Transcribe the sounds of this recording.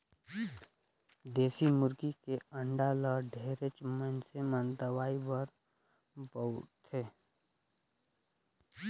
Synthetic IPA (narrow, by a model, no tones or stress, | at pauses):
d̪eːsimʊɾɡikeə̃ɳɖaləɖʱeːɾet͡ʃmənsemə̃nd̪əwaːibəɾ | bəʊt̪ʰeː